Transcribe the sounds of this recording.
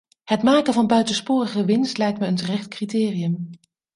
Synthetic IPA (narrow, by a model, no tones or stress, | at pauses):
hətmaːkənvɑnbœɥtənspʊːrəχəʋɪnstlɛjk̚tməəntərɛχtkritɪːrijəm